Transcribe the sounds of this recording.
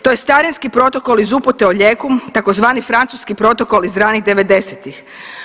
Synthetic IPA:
t̪oje̞st̪aɾinskipɾo̞t̪o̞kolizupot̪eoʎeːkumt̪ako̞zʋaːnifɾant̪suskipɾo̞t̪o̞ko̞lizɾaːniɣd̪e̞ʋe̞d̪e̞set̪ix

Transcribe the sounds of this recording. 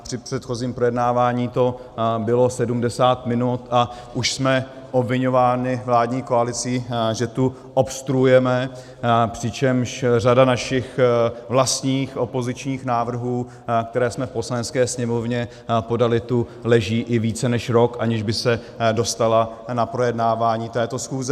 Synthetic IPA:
pr̥ɪpr̥ɛt̪xo̞ziːmpɾo̞jɛdnaːvaːɲiːt̪o̞ | bɪlo̞sɛdumdɛsaːt̪mɪnut̪a | ʔuʃsmɛ | ʔobvɪɲo̞vaːnɪvlaːdɲiːkoalɪt͡siːʒɛt̪u | ʔopst̪ɾuujɛmɛ | pr̥ɪt͡ʃɛmʃr̝adanaʃɪxvlast̪ɲiːxʔo̞po̞zɪt͡ʃɲiːxnaːvr̩ɦuː | kt̪ɛɾɛːsmɛfpo̞slanɛt͡skɛːsɲɛmo̞vɲɛ | po̞dalɪt̪u | lɛʒiːʔɪviːt͡sɛnɛʃɾo̞kʔaɲɪʒbɪsɛ | do̞st̪ala | napɾo̞jɛdnaːvaːɲiːt̪ɛːt̪o̞sxuːzɛ

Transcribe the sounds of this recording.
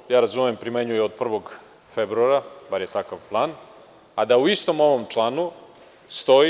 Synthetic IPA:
jaːɾazumempɾimeɲujeod̪̚pr̩ʋo̞ɡ | febɾuaɾabaɾjet̪akaʋplˠaːn | ad̪auist̪o̞mo̞ʋomt͡ʂlˠaːnu | st̪o̞i

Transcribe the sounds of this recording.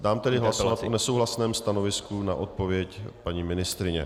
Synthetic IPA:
daːmt̪ɛdɪɦlasat̪ʔonɛsowɦlasnɛːmst̪ano̞vɪskunaʔot̪̚po̞vjɛcpaɲiːmɪnɪst̪ɾɪɲɛ̰

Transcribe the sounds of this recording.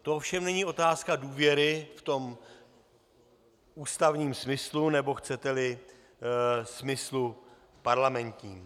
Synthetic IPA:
t̪ofʃɛmnɛɲiʔo̞t̪aːskaduːvjɛɾɪft̪o̞m | uːst̪avɲiːmsmɪslunɛbo̞xt͡sɛt̪ɛlɪ | smɪslu | paɾlamɛnt̪ɲiːm

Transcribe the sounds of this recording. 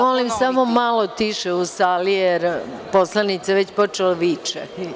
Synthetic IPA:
molimsamomalo̞t̪iʃeusalijeɾpo̞slˠanit̪seʋet͡ɕpo̞t͡ʃeloʋiːt͡ʃe

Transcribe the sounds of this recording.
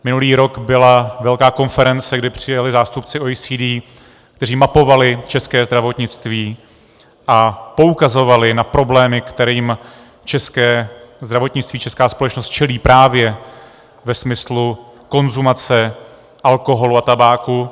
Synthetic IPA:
mɪnuliːɾo̞kbɪlavɛlkaːko̞nfɛɾɛnt͡sɛɡdɪpr̝̥ɪjalɪzaːst̪up̚t͡sɪoisiːdiː | kt̪ɛr̝iːmapo̞valɪt͡ʃɛskɛːzd̪ɾavo̞t̪ɲɪt͡st̪viː | ʔapo̞ukazo̞valɪnapɾo̞blɛːmɪkt̪ɛɾiːm | t͡ʃɛskɛːzd̪ɾavo̞t̪ɲɪt͡st̪viːt͡ʃɛskaːspo̞lɛt͡ʃnost̪̚t͡ʃɛliːpɾʔaːvjɛ | vɛsmɪslu | ko̞nzumat͡sɛ | ʔalko̞ɦo̞luat̪abaːku

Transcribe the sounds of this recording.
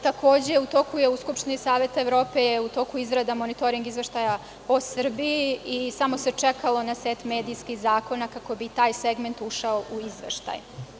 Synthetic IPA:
t̪ako̞ːd͡ʑeut̪o̞ːkuje̞uskupʃt̪inisaːʋe̞t̪aeʋɾo̞ːpe̞jeut̪o̞ːkuizɾad̪amonit̪o̞ɾiŋɡizʋe̞ʃt̪aja | osr̩biiisamo̞se̞t͡ʂekalo̞naseːt̪me̞ːd̪ijskixzaːko̞nakako̞bit̪aːjseɡme̞nt̪uʃaouizʋḛʃt̪a̰j

